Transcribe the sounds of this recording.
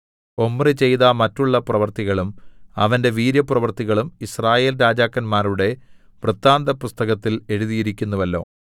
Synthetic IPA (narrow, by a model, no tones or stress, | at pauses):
o̞mːrit͡ɕe̞jðɐmɐtːuɭːɐprɐʋɐrt̪iɣɐɭumɐ̰ʋɐnde̞ʋiːɾjɐprɐʋɐrt̪iɣɐɭumisraːje̞ːlɾaːd͡ʑaːkːɐnmaːɾuɽe̞ | prɐt̪ːaːnd̪ɐpust̪ɐɣɐt̪ːile̞ɻuðijiɾikʲːunːuʋɐlːo̞̰ː